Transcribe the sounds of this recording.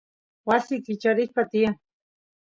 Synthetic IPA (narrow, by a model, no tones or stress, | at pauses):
wasikit͡ʃaɾihpat̪ia